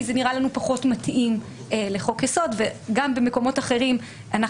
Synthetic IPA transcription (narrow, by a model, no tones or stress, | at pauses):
zeniʁalanupaχo̞tmatʔim | le̞χo̞kjeso̞dveɡambe̞me̞ko̞mo̞taχe̞ʁim | ʔana